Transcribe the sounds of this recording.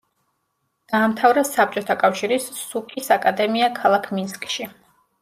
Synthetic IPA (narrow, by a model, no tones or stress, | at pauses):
d̪̥aːmt̪ʰavɾɛsap̚t͡ʃʼɔt̪ʰakʼafʃiɾisːukʰʼisakʼad̪ɛmiakʰalˠakʰminskʼʃi